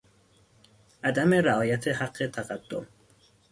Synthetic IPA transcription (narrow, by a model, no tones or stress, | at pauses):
ʔæd̪æme̞ɾaɒːjæt̪ʰe̞haɢːe̞t̪ʰæɣad̪̥ːo̰m